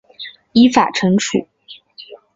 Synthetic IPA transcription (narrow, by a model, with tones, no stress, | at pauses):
i˧˥fa̰˨˩ʈ͡ʂʰɤ˧˥ŋʈ͡ʂʰṵ˨˩˦